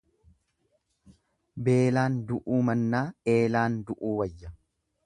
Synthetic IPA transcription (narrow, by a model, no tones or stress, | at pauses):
be̞ːlaːnd̪ʊʔuːmɐnːaːe̞ːlaːnd̪ʊʔuːwɐjːɐ